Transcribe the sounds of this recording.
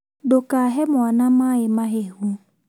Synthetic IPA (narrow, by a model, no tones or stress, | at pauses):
dokaɦɛmwanamaɪmaɦehu